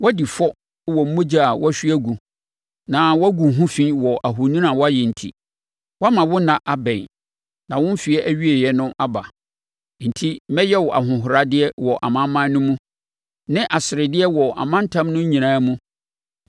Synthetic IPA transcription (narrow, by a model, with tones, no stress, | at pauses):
wɔ˦di˨fɔ˦ | wɔ˨m̩˦mũ˦d͡ʑa˦˨a˨wʔɔ˦æ˦ɕᶣi˦æ˦ɡu˨ | nã˨wɔ˦ɡu˨ɦũ˦fĩ˦wɔ˨ʔa˨ɦʊ˨nĩ˦nã˨wɔ˦a˦jɛ˨n̩˨tʰḭ˦ | wa˦mã˨wʊ˦nã˨ʔa˨bɛ̃˨ | nã˨wʊ̃˦m˦fi˨ɛ˦ʔæ˦ɥi˦e˨jɛ˨nʊ̃˦ʔa˦ba˨ | n̩˨tʰi˦mɛ˦jɛ˦wɔ˨ʔa̰˨ɦʊ̃˨ɦʊ˨ɾa˨dɪ˦ɛ˦wɔ˨ʔa̰˨mã˦m˦mã˦nː˦ʊ̃˦mũ˦ | nɪ̃˦ʔa˨sɪ˨ɾɪ˨dɪ˦ɛ˦wɔ˨ʔa̰˨mã˦n̩˦tʰã˦mnʊ̃˦ɲĩ˨nãː˦mũ˦